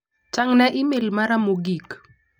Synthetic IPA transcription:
t͡ʃaŋnɛʔɪmɪlmaɾamoɡik

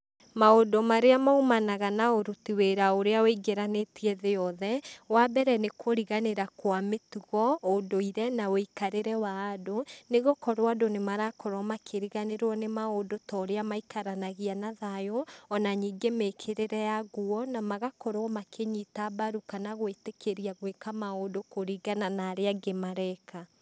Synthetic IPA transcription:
maodomaɾeamaumanaɣanaoɾutiweɾaoɾeaweiɡeɾanetiɛðeɔðɛwabɛɾɛnekoɾiɣaneɾakwametuɣɔodoiɾɛnaoikaɾeɾɛwaːdoneɣokɔɾwadonemaɾakɔɾwɔmakʰeɾiɣaneɾwɔnemaodotɔɾeamaikaɾanaɣianaðajoɔnaɲiːɡemekʰeɾeɾɛjaɣuɔnamaɣakoɾwɔmakʰeɲitabaɾukanaɣwetekʰeɾiaɣwekamaodokoɾiɣananaːɾeaɡemaɾɛkʰa

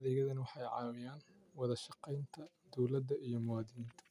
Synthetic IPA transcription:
ðɛːɣɐðɐnɐwɑħɑjʕɑ̰ːwɪjaːn | wɑðɐʃɑqɛjnt̪ʰɐ | d̪ɔwlɐd̪ɐʔijɞmʊwaːd̪ɪniːnt̪ʰɐ̥

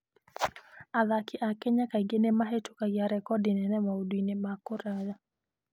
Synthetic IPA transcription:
aðakiʔakɛɲakaiɡenemaɦetukaɡjaɾɛkɔdinɛnɛmaudwinɛmakɔɾaja

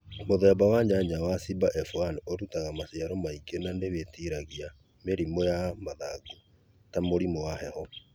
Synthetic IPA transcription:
moðɛbawaɲaɲawasibaʔɛfuanoɾutaɣamasiaɾɔmaiɡionandeβetiɾaɣia | meɾimojamaðaɡu | tamoɾimowahɛhɔ

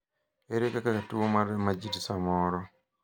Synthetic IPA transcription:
eɾekakakatuwomaɾmad͡ʒidsamɔɾɔ

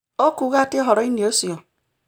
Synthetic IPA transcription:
okuɣatɪɦɔɾɔiniosio

